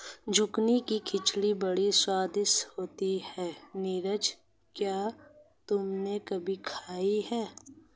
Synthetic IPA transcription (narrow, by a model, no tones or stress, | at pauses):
d͡ʒʊknikikʰɪt͡ʃɽibɐɽiswaːd̪ɪshoːt̪ihɛːniːɾəd͡ʒ | kjaːt̪ʊmnekɐbʱikʰaːiɦɛː